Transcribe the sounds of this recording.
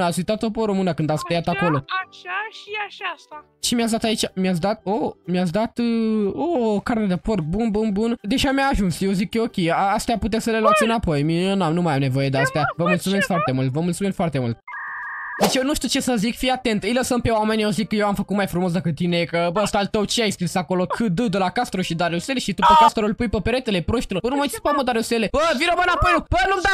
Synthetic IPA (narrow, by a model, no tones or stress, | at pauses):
atsʲujt̪at̪opoɾomɨnəkɨnd̪at̪sp̪ɾejat̪ako̞lo̞ | asa | t͡ʃimiat̪s̬d̪at̪ait͡ʃamiats̬d̪at̪̚omiat̪s̬d̪at̪ɨokaɾt̪ed̪epork̚bunbunbund̪e̞ʒamjaːʒunsʃijezikːəo̞kʲejaast̪ejaput̪eeasəle̞luat̪sɨnapo̞jmionamnumajamne̞vo̞je̞d̪east̪ejavəmult̪sume̞sk̪foart̪e̞mult̪vəmult̪sumesfart̪e̞mṵlt̪̚ | d̪et͡ʃejenuʃt̪iut͡ʃesəzikfiat̪e̞nt̪ɨjləsəmpe̞wame̞nʲewzikːəjewamfəkut̪̚majfɾumo̞s̬d̪əkɨt̪ːinekəbəst̪alt̪əwt͡ʃiajiskɾisako̞lokʰɨd̪ɨd̪əlakast̪ɾoʃid̪aɾeseleʃit̪upəkast̪ɾolpujpəpeɾet̪e̞lepɾoʃt̪eloɾənuməit͡ʃpaməd̪aɾeselebəvinomɨnapojnub̥ənumd̪a